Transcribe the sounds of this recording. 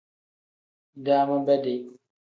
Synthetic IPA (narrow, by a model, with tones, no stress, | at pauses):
daː˦mã˦bɛ˦de˨